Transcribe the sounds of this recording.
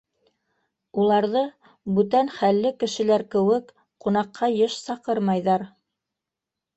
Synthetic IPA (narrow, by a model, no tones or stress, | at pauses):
ulˠɑɾðɤ | bʉt̪ænχælːɘkɘ̆ʃɘ̆læɾkɘ̆wɘk | qunɑqːɑjɤʃsɑqɤɾmɑjðɑɾ